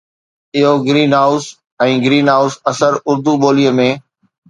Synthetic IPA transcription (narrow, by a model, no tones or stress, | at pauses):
ɪɦoɡɾiːnɦaːʊs | ɛ̃ːɡɪɾiːnɦaːʊsɐsəɾʊɾd̪uɓoːlijəmẽː